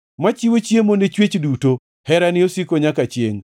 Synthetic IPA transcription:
mat͡ʃiwot͡ʃjemonet͡ʃwet͡ʃduto | hɛɾanɪosikoɲakat͡ʃjḛŋ

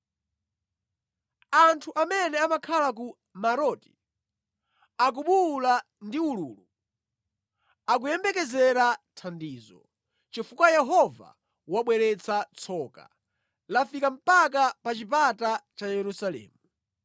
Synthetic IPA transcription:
antʰuʔamɛnɛamakʰalak̬u | maɾɔti̥ | ak̬uɓula | ndiuluːlu | ak̬ujɛmbɛkɛzɛɾatʰandiːzɔ̰ | t͡ʃifukwajɛɦɔva̰ | waɓwɛɾɛt͡sʰat͡sʰɔka̰ | lafikam̩pak̬apat͡ʃipatat͡ʃajɛɾusalɛ̰ːmu

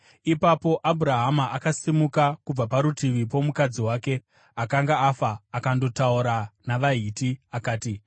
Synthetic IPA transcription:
ipapo̞ʔabʱuɾaɦamaakasimukakub͡vapaɾutiʋip̬o̞mukad͡ziwaːke̞ | akaŋɡaːfaːkando̞tauɾanaʋaɦiːtiakaːti

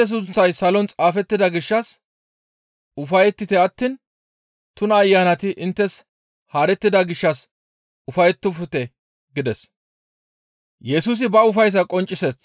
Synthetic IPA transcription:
ɛs̬ʊnt͡sːɐjsɐlɔnt͡sʼaːfɛt̪ːɪd̪ɐɡɪʃːɐs | ʊfɐjɛt̪ːɪt̪ɛɐt̪ːiːn | t̪ʊnɐːjːaːnɐt̪ɪʔɪnt̪ːɛs | haːɾɛt̪ːɪd̪ɐɡɪʃːɐs | ʊfɐjɛt̪ːʊfʊt̪ɛ | ɡɪd̪ɛs | jɛsuːs̬ɪbɐʊfɐjs̬ɐkʼɔnt͡ʃʼːɪseːs

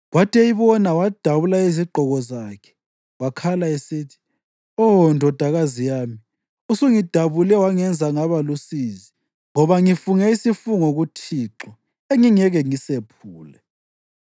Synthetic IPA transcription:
watʼɛiβɔnawad̥ʱaβulaiziɡ͡ǃʱɔɣɔzaːkʰɛ̥ | wakʰalaesiːtʰi̥ | ɔndʱɔd̥ʱaɣazijaːmi | usuŋid̥ʱaβulɛwaŋɛnd͡zʱaŋaβalusizi | ŋɔβaŋifuŋɛisifuŋoɣutʰiːǁɔ | eŋiŋɛɣɛŋisepʰuːlɛ

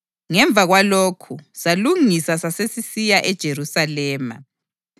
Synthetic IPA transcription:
ŋɛɱbvʱaɣwalokʰusaluŋisasasesisijaʔɛd̥ʒ̥ʱeɾusalɛːma̰

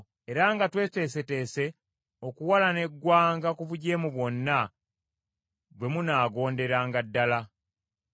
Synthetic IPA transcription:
e̞ɾaŋɡatwe̞ːte̞ːs̬e̞te̞ːse̞ | o̞kuwalane̞ɡːwaːŋɡakuvuɟe̞ːmuβwo̞nːa | βwe̞munaːɡo̞ːnde̞ɾaːŋɡadːala

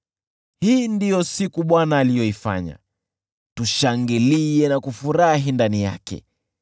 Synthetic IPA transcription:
hiːndijɔsikuɓwanaːlijɔifa̰ɲa̰ | tuʃaŋɡiliɛnakufuɾaɦindanija̰kɛ̰

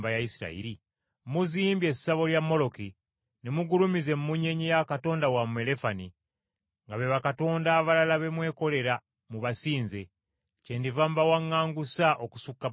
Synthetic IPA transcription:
bajaisiɾa̰ḭɾi | muziːmbje̞sːaβo̞ljamːo̞lo̞ki | nemuɡulumize̞mumuɲe̞ɲijakato̞ːndawamue̞le̞fani | ŋɡaβe̞βakato̞ːndaːβalalaβe̞mwe̞ːko̞le̞ɾa | muβasiːnze̞ | ce̞ndivambawaŋːaːŋɡusaʔo̞ku̥sukːa

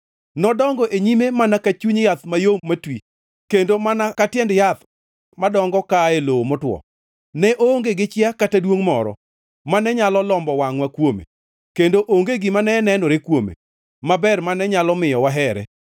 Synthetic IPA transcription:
nɔdɔŋɡɔʔeɲimemanakat͡ʃuɲjat̪majomatwi | kendomanakatɪjɛndjat̪ | madɔŋɡɔkaeloomɔtwɔ̰ | nɛʔoŋɡeɡɪt͡ʃɪakatadwoŋmɔɾɔ̰ | manɛɲalɔlɔmbɔwaŋwakwomḛ | kendoʔoŋɡeɡɪmanɛnɛnɔɾekwomḛ | mabɛrmanɛɲalɔmɪjɔwaɦɛɾɛ̰

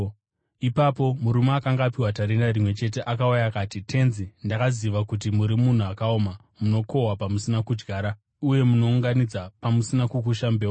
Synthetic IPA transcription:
ipapo̞muɾumaakaŋɡaːpiɦwataɾenarimwe̞t͡ʃe̞t̬e̞ʔakaujakaːtitʰe̞nzindakaziʋakut̬imuɾimun̤uakaoma | muno̞ko̞wapamusinakud͡ʒɡʱaːɾa | uje̞muno̞uŋɡanid͡zapamusinakukuʃambeːwa

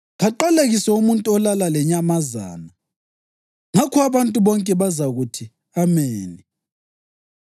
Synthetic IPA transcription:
ɣaǃaleɣisɛumuntʼuɔlalalɛɲamaza̰ːna | ŋakʰuaβantʼuβɔŋkʼɛβazaɣutʰi | ameːni

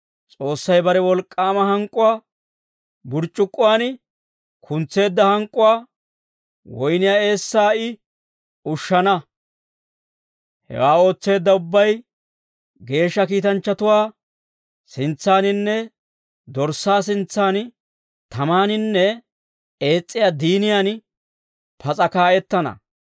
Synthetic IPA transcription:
t͡sʼo̞ːsːɐjbɐɾɛwɔlkʼːaːmɐɦɐŋkʼːʊwaː | bʊɾt͡ʃʼːʊkʼːʊwaːn | kʰʊnt͡sːe̞ːd̪ːɐhɐŋkʼːʊwaː | wɔjnɪjaːe̞ːsːaːɪ | ʊʃːɐnɐ | hɛ̰waːo̞ːt͡sːe̞ːd̪ːɐʊbːɐj | ɡe̞ːʃːɐkiːt̪ɐnt͡ʃːɐt̪ʊwaː | sɪnt͡sːaːnɪnːɛ | d̪ɔɾsaːsɪnt͡sːaːn | t̪ɐmaːnɪnːɛ | e̞ːt͡sʼːɪjaːd̪iːnɪjaːn | pʰɐt͡sʼɐkaːʔɛt̪ːɐnɐ̰

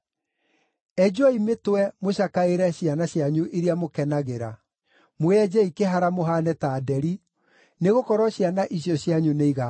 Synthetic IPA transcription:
ɛd͡ʒwɔimetwɛmoɕakaeɾɛɕianaɕjaɲuʔeɾiamokɛnaɣeɾa | moɛd͡ʑɛikeɦaɾamoɦanɛtaːdɛɾi | neɣokɔɾɔɕjanaʔisjɔɕjaɲuneiɣa

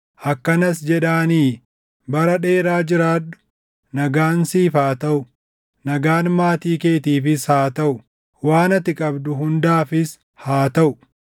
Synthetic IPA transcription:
ʔɐkːɐnɐsd͡ʒɛᶑaːniː | bɐɾɐᶑe̞ːɾaːd͡ʒɪɾaːᶑʊ̥ | nɐɡaːnsiːfaːt̪ɐʔʊ | nɐɡaːnmaːt̪iːkeːt̪iːfɪshaːt̪ɐʔʊ | waːnɐt̪ɪkʼɐbd̪ʊɦʊnd̪aːfɪs | haːt̪ɐʔʊ

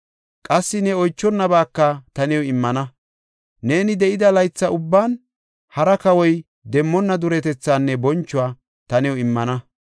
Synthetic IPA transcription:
kʼɐsːɪnɛɔjt͡ʃːɔnːɐbaːkːɐt̪ɐnɪwɔɪmːɐnɐ | ne̞ːnɪd̪ɛʔɪd̪ɐlɐjt͡sːɐʊbːaːn | hɐɾɐkɐwɔj | d̪ɛmːɔnːɐd̪ʊɾɛt̪ɛt͡sːaːnːɛbɔnt͡ʃːʊaː | t̪ɐnɪwʊɪmːɐnɐ

